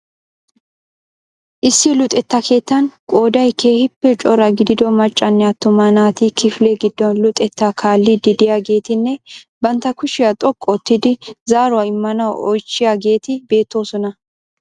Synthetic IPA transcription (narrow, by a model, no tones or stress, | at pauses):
ʔɪsːɪlʊt̪ʼːɛt̪ːɐkʰe̞ːt̪ːɐnkʼo̞ːd̪ɐjkʰe̞ːhɪpːɛt͡ʃʼɔɾɐɡɪd̪ɪd̪ɔmɐt͡ʃʼːɐnːɛɐt̪ːʊmɐnaːt̪ɪkɪflɛɡɪd̪ːɔnlʊt̪ʼɛt̪ːakʰaːlːɪd̪ɪd̪ɪjaːɡe̞ːt̪ɪnːɛ | bɐnt̪ːɐkʊʃɪjat̪ʼɔkʼːɔt̪ːɪd̪ɪzaːɾʊwaɪmːɐnɐwɔjt͡ʃːɪjaːɡe̞ːt̪ɪbe̞ːt̪ːo̞ːsɔnɐ